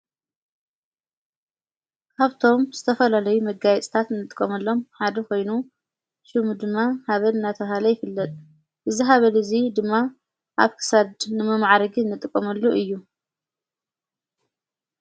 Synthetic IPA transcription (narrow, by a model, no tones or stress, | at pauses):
kʰaβt̪ʰo̞mzɨt̪ʰɐfɐlalɐjumɐɡajɛt͡sʼt̪ʰat̪ɨnːɨt̪ʼɨkʼːɐmɐlːo̞mħad̪ɐkʰo̞jnu | ʃumud̪ɨmːahaβɐnɨnːat̪ʰɐβhalɐjɪfɨlːɐt̪ʼ | ʔɨziɦaβɐlɨzid̪ɨmːa | ʔa̰βkʰɨ̥sad̪nɨmɐmaʕɾɐɡiɨnːɨt̪ʼɨkʼːɐmɐlːuʔɨjːu